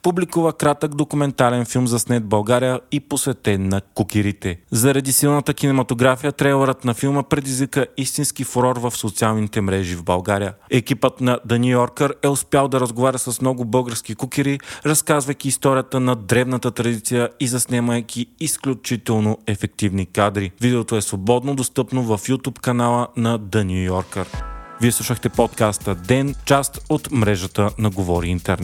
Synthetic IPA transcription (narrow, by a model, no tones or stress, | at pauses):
publʲikuvəkɾat̪əɡd̪okʊmɛnt̪alɛnfilˠmzɐsnɛd̪̚bɐlˠɡaɾijəiposvɛt̪ɛnɐkukʲiɾit̪ɛzɐɾɐd̪isilˠnət̪əkinɛmɐt̪oɡɾafijət̪ɾɛjlˠɛɾət̪nɐfilˠməpɾɛd̪izvikəist̪inskifoɾɔɾvɐfsot̪sialˠnit̪ɛmɾɛʒivbɐ̰lˠɡaɾijəɛkipət̪nɐd̪ɐniɔɾkəɾɛʊspjalˠd̪ɐɾəzɡovaɾʲəsɐsmnɔɡʊbɤlˠɡəɾskikukʲiɾiɾɐskazvəjkʲiːst̪ɔɾʲijət̪ənɐd̪ɾɛvnɐt̪ət̪ɾɐd̪it̪sijəizɐsnɛməjkʲʰiːsklʲut͡ʃit̪ɛlˠnoɛfɛk̚t̪ivnikad̪ɾivid̪ɛot̪oɛsvobɔd̪nod̪ost̪ɤpnovɐfjut̪upkɐnalˠənɐd̪ɐnʲijɔɾkəɾviɛsˠuʃəxt̪ɛpot̪kast̪əd̪ɛnt͡ʃast̪ot̪mɾɛʒət̪ənɐɡovɔɾiint̪ɛɾn